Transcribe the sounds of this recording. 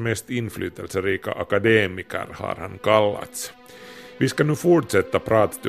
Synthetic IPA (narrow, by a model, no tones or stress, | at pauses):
mɛst̪ɪnːflʔyːt̪əlsəɾiːka̰ʔakad̪eːmɪkə̰ɾha̰ɾha̰nkalːa̰t̪s | ʋɪskɑnʉːfuʈʂɛt̪ːapʰɾɑːt̪ḁt̪